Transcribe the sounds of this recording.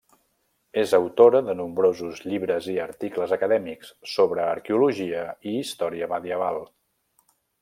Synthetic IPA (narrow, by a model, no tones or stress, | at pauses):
ezəwt̪oɾəðənumbɾozuzʎiβɾəziəɾt̪ikləzəkəðɛmikssoβɾəːɾkeuluʒiəiːst̪ɔɾiəməðiəβalˠ